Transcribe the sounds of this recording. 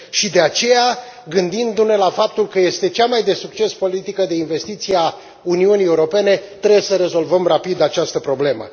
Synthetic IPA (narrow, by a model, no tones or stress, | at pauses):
ʃid̪e̞at͡ʃe̞ja | ɡɨnd̪ind̪une̞lafap̚t̪ulkəje̞st̪e̞t͡ʃamajd̪e̞suk̚t͡ʃe̞spo̞lit̪ikəd̪e̞inve̞st̪it̪sija | uniunie̞uɾo̞pe̞ne̞t̪ɾe̞bjesəɾe̞zo̞lvəmrapid̪at͡ʃast̪əpɾo̞ble̞mə̰